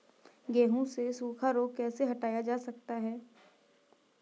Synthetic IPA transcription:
ɡɛːɦũsesuːkʰaɾoːɡ̚kɛːseɦɐʈaːjad͡ʒaːsɐkt̪aɦɛː

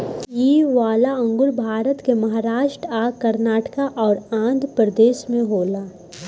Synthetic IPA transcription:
iːʋaːlaə̃ŋɡʊlbʱaːɾət̪kemɐɦaːɾaːʃʈɾaːkɐɾnaːʈkaʔɔːɾãːnd̪ʱpɾəd̪eːʃmẽɦoːlaː

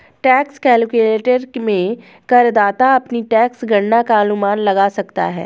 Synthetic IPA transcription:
ʈɛːkskɛːlkuleːʈəɾmẽ | kɐɾd̪aːt̪aɐpniʈɛːksɡʱɐɽːakaɐnʊmaːnlɐɡasɐkt̪a̰ɦɛ̰ː

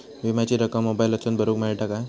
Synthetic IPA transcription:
ʋimat͡ɕiɾəkəmːobajlət͡sənbʱəɾuːkmaɭʈaka

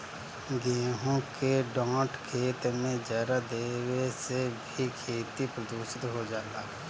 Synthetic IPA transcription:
ɡeːɦõkeɖãːʈkʰeːt̪mẽd͡ʒaːɾad̪eːwesebʱikʰeːt̪ipɾəd̪uːʃɪt̪ɦod͡ʒaːt̪aː

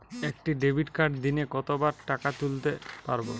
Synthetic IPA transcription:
ekʈiɖebʱiʈkaɾɖ̚d̪inekɔt̪obaɾʈakat̪ult̪epaɾbo

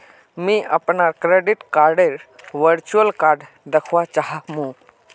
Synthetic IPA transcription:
mĩʔəpnakɾeɖɪʈkaːɾɖeɾʋəɾt͡ʃuəlkaːɾɖ | d̪əkʰʋat͡ʃaɦamũ

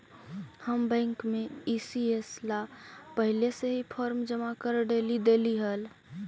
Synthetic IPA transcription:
həmbə̃ŋkmeisieslapəɦileseɦipʰəɾmd͡ʒəmakəɾɖelid̪eliɦəl

